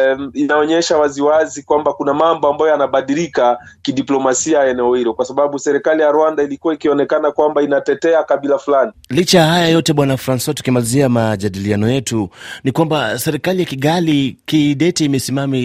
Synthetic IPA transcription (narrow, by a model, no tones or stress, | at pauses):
inaɔɲɛʃawaziwazikwambakunamambɔambajɔjanaɓaɗilikakiɗiplɔmasiajaɛnɛɔhilɔkwasaɓaɓusɛɾɛkalijaɾwandailikuwaikiɔnɛkanakwambainatɛtɛakaɓilafulanilit͡ʃajahajajɔtɛɓwanafɾanswatu̥kimaliziamaʄaɗilianɔjɛtunikwambasɛɾikalijakiɠalikiɗɛtɛːmɛsimami